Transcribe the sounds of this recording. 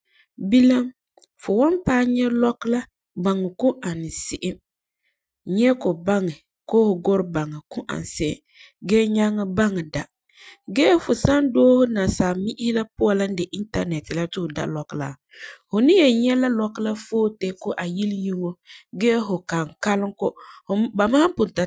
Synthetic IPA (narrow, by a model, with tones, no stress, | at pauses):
bi˦la˦m | fʊ˨wɔ˦npaː˦ɲɛ˦lɔ˦kla˦ | ba˨ŋɪ˨kʊ˦ʔa˨nɪ˨sɪ˦ʔɪ˦m | ɲɛ˦kʊ˨ba˦ŋɪ˨ | koː˦hʊ˨ɡʊ˦ɾba˨ŋɪ˨kʊ˦ʔa̰˨n˨sɪ˦ʔɪ̰˦˨ | ɡɛː˦ɲa˦ŋɪ˦ba˦ŋɪ˨da˨ | ɡɛː˦fʊ˨sa˦ndoː˦hʊ˦na˨saː˨mi˦ʔɪ˦la˦pʊ˦a˨la˦n˦dɪ˨ʔi˦nta˦nɛ˨tːɪ˨la˦tʊ˦hʊ˨da̰˦lɔ˨kla̰˨ | hʊ˨nɪ˦jɛ˨ɲɛ˦la˦lɔ˦kla˦foː˦tɛ˦kʊ˦ʔa˨ji˦lji˦ŋo˦ɡɛː˦ɦʊ˨ka˨ŋka˦lɪ˦ŋkʊ˦˨ba˨maː˦m˦pʊ˨nta˨